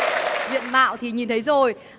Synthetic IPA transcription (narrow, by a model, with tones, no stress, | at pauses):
zḭ˧˨ənma̰ː˧˨wt̪ʰi˨˩ɲi˨˩nt̪ʰə˨˦jzo˨˩j